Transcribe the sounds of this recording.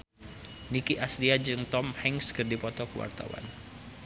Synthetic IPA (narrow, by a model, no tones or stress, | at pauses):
nikiʔasliad͡ʒɨŋt̪ɔmhɛŋskɨrdipɔt̪ɔkəwa̰rt̪a̰wa̰n